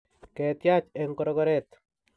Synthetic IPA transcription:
kɛt̪jat͡ʃɛŋkɔɾɔkɔɾɛt̪

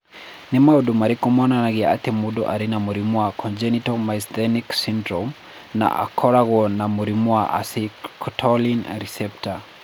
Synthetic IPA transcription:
nimauɗumaɾikɔmɔnanaɣia̰timuɗɔʔaɾinamuɾimuakʰɔnd͡ʒɛnitɔmajsdɛniksindɾɔm | na̰ʔa̰kʰɔɾaɣɔnamuɾimuaʔa̰sikʰɔtʰɔlinɾisɛpta

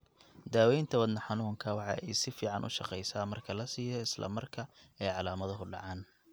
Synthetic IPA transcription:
d̪aːwɛjnt̪ʰɐwɐd̪nɐħɑnuːŋkʰɐwɑħɑ̰ʔɛjsɪfiːʕɑnʔʊ̰ʃɑqɛjsaːmɐrkʰɐlɐsiːjɔɪslɐ̰mɐrkʰɐɛjʕɑlaːmɐðɐɦʊɖɑ̰ʕɑːn

